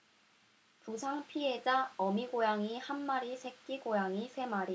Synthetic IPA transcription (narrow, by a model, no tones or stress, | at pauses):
pusʰaŋpʰiɦe̞d͡ʑaʌmiɡojaŋihanmaɾisʰe̞k͈iɡojaŋisʰe̞maɾi